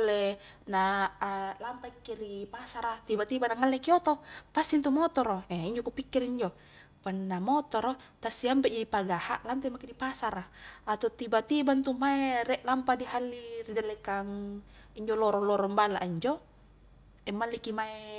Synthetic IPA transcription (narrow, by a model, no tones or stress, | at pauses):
le | na | lampaikːiɾipasaɾat̪ibat̪ibanaŋalːɛkiot̪opast̪int̪umɔt̪ɔɾoɛiɲd͡ʒokupikːiriɲd͡ʒo | kanːamɔt̪ɔɾɔt̪asiampɛʔd͡ʒadipaɡaha̰ʔlant̪ɛmakidipasaɾaat̪ot̪ibat̪ibant̪umaerɛʔlampadihalːiridalɛkaŋ | iɲd͡ʒɔlɔɾɔlɔɾɔŋbala̰ʔiɲd͡ʒo | ɛmːalːikimae